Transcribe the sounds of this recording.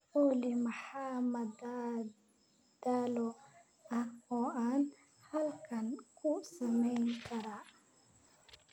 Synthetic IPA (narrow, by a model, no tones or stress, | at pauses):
ʔɔːlɪmɐħamɐd̪a | d̪̥alɔ | ɐhɔːʔaːn | hɐlkʰɐnkʰʊsɐmɛjŋkʰɐɾa